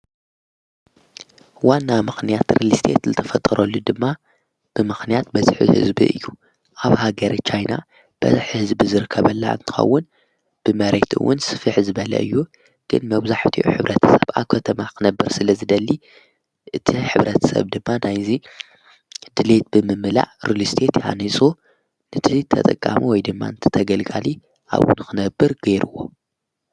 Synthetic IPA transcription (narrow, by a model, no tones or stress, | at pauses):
wanːamɨxnijat̪ɾelist̪ʰe̞̰t̪zɨt̪ʰɐfɐt̪ʼɐɾolːud̪ɨmːa | b̥ɨmɨxnijat̪̚bɐziħɨ̰hɨ̰zbḭɨ̰jːu | ʔaβhaɡɐɾt͡ʃʰajna̰ | b̥ɐ̰zħhɨzbizɨɾɨkʰːɐβɐlːa̰ɨ̰nt̪ʰɨ̥xɐ̰wːʊn | b̥ɨmɐɾe̞t̪ɨ̰wːʊnsɨ̥fɨħzɨβɐlɐ̰ʔɨ̰jːu | ɡ̥ɨnmɐβzaħt̪ʰiʔṵħɨβɾʔɐt̪ʰɐ̥sɐβaβkʰɐt̪ʰɐmakɨnɐbːɨɾsɨlɐzɨd̪ɐlːi | ʔɨt̪ʰiħɨβɾɐt̪ʰɐ̥sɐ̰βd̪ɨmːanajzi | d̪ɨlet̪̚bɨmɨmɨla̰ʕɾulist̪ʰet̪ha̰nisʼu | nɨt̪ʰit̪ʰɐ̰t̪ʼɐkʼːa̰miwɔjd̪ɨmːa̰nɨt̪ʰɨ̥t̪ʰɐɡɐlɡali | ʔa̰βṵnɨkʰɨnɐbːɨɾɡ̥ɐjɾɨwo̞̰